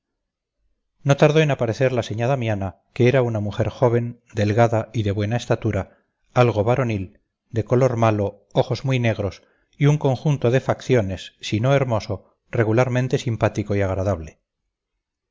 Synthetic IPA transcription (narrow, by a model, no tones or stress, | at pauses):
no̞t̪aɾðo̞enapaɾe̞θe̞ɾlase̞ɲaðamjana | keeɾaunamuxe̞ɾxo̞β̞e̞n | d̪e̞lɣaðaiðe̞βwe̞nae̞st̪at̪uɾa | alɣo̞βaɾo̞nil | d̪e̞ko̞lo̞ɾmalo̞ | oxo̞zmujne̞ɣ̞ɾo̞s | iuŋko̞ŋxunt̪oðe̞fakθjone̞sːino̞e̞ɾmo̞so̞ | re̞ɣulaɾmẽnt̪e̞simpat̪ikoiaɣ̞ɾaðaβ̞le̞